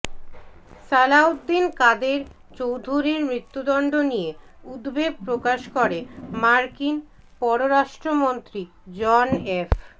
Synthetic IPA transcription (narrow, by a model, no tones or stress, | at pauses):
salaud̪ːinkad̪eɾ | t͡ɕowd̪ʱuɾiɾmɾit̪ːud̪ɔɳɖonijeud̪beɡ̚pɾokaʃkoɾemaɾkin | pɔɾoɾaʃʈɾomont̪ɾi | d͡ʑɔnef